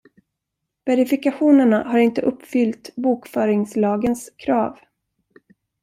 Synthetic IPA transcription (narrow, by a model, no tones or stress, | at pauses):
vɛɾɪfɪkaɧuːnəɳahaɾɪnt̪əʔɵpːfʏlt̪buːkfœːɾɪŋslɑːɡənskʰɾɑːv